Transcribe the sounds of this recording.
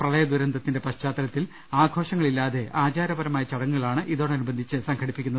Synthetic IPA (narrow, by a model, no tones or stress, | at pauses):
prɐlɐjɐd̪uɾɐnd̪ʱɐt̪ːinde̞pɐɕt͡ɕaːt̪ːɐɾɐt̪ːil | aːɡʱo̞ːʂɐŋːɐɭilːaːðe̞ʔaːt͡ɕaːɾɐbɐɾɐmaːjɐt͡ɕɐɽɐŋːuɣɐɭaːɳɨʔiðo̞ːɳeɐnubɐnd̪ʱit͡ɕːɨsɐŋɡʰʱɐɽipːikʲːunːɐð